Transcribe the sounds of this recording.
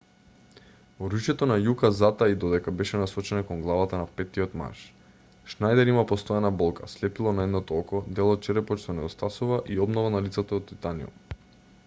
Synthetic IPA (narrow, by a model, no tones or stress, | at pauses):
oɾuʃjɛt̪ɔnajukazat̪aid̪ɔd̪ɛkabɛʃɛnasɔt͡ʃɛnakɔŋɡlˠavat̪anapɛt̪iot̪ma̰ʃ | ʃnajd̪ɛɾimapɔst̪ɔɛnabɔlˠka̰slɛpilˠɔnaɛd̪nɔt̪ɔɔkɔd̪ɛlˠɔt̪̚t͡ʃɛɾɛpɔt͡ʃt̪ɔnɛd̪ost̪asuvaʔiɔbnɔvanalit̪sat̪aːt̪t̪ːit̪anḭɔ̰